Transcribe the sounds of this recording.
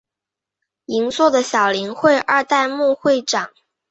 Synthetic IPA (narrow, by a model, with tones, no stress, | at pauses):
i˧˥ŋswɔ˥˩d̪ə˩ɕjɑ˨˩ʊli˧˥ŋxwe˥˧ɪʔə˞˥˧t̪a˥˧ɪmu˥˧xwe˥˩ɪʈ͡ʂɑ˨˩˦ŋ